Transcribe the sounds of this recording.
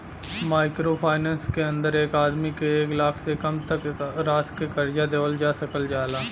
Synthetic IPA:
maːɪkɾoːpʰaːɪnɛ̃ːnskeə̃nd̪əɾeːkaːd̪mikeːklaːkʰsekəmt̪əkɾaːskekəɾd͡ʒad̪eːʋəld͡ʒaːsəkəld͡ʒaːlaː

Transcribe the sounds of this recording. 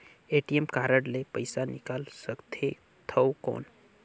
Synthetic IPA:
eːʈijemkaːɾəɽlepəɪsanɪkaːlsəkt̪ʰe | t̪ʰəwko̰ːn

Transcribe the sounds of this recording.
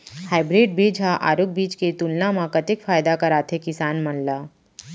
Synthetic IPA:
haːɪbɾeːɖ̚beːd͡ʒʱaʔa̰ːɾʊk̚biːt͡ʃket̪ʊlnamãkɐt̪ɪkfaːjd̪akɐɾaːt̪ʰekɪsaːnmɐnlaː

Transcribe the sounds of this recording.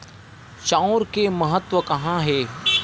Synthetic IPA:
t͡ʃãʊɾkemɐɦət̪ʋəkɐɦãɦeː

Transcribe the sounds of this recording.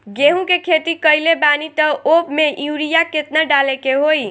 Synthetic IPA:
ɡeɦũkekʰet̪ikəjlebanit̪əopmeuɾijaket̪nəɖalekeɦoj

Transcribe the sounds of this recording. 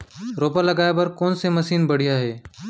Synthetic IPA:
ɾoːpaːləɡaːepəɾkoːnseməsiːnbəɽ̤ijaːɦeː

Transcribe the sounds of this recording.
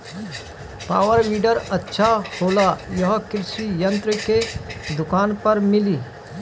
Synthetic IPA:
pa̰ːʋəɾʋiːɖəɾɐtːʃʰahoːlajɐɦkɪɾɪʃijə̃nt̪ɾəked̪ʊkaːnpɐɾmɪliː

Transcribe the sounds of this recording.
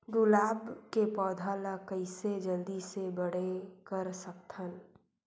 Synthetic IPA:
ɡʊlaːbkepɔːd̪ʱalakəɪsed͡ʒəld̪isebəɽ̤ekəɾsək̚t̪ʰən

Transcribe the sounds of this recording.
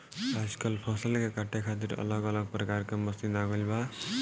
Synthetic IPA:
pasi̥kʌlpʰɔsʌlkakaʈʰːjakʰat̪̬iɾʌ̰lʌɡʌlʌɡ̚prʌkarkamʌst̪id̪aɡʌlba

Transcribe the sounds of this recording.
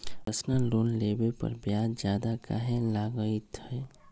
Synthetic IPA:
əsnaloːnlebepə̰ɾbjaːd͡ʒjaːd̪aka̰ɦelaɡəit̪hɛ

